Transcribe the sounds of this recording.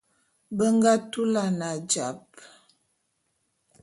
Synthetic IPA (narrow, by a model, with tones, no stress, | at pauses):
bə˦ŋɡa˦tu˦la˨na˨d͡ʒa˨p̚